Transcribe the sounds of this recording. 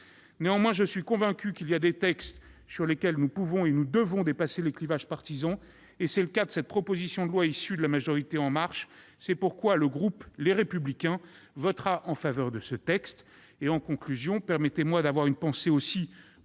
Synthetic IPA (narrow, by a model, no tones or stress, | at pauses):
neɑ̃mwɛ̃ʒəsɥikɔ̃vɛ̃kʲykʲiliad̪et̪ɛkst̪ | syʁlekʲɛlnupuvɔ̃enud̪əvɔ̃d̪epaseleklivaʒpaʁt̪izɑ̃ | esɛləkad̪əsɛt̪̚pχɔpozisjɔ̃d̪əlwaisyd̪əlamaʒɔʁit̪eɑ̃maʁʃ | sɛpuʁkwaləɡʁupleʁepyblikʲɛ̃ | vɔt̪χaʔɑ̃favœʁd̪əsət̪ɛkst̪ | eɑ̃kɔ̃klyzjɔ̃pɛʁmɛt̪emwad̪avwaʁynpɑ̃seosi